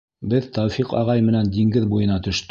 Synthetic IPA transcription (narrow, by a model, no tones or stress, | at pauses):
bɘðt̪ɑwfiqɑ̰ʁɑjmɘ̆nænd̪iŋɡɘðbujɤ̆nɑt̪ɵ̆ʃt̪